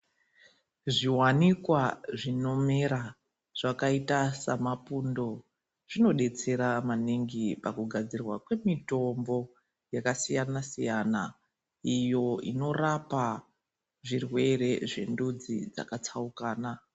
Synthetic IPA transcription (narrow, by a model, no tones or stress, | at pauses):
ʐiwanikwaʐino̞me̞ɾa | ʐ̥akaitasamapundo̞ | ʐ̥ino̞ɗe̞t͡se̞ɾamaniŋɡipakuɡʱad͡zirwakwe̞mito̞mbo̞ | jakasijanasijana | ijo̞ino̞rapa | ʐirwe̞ɾe̞ʐe̞̰ndud͡zid͡za̰kat͡saukaːna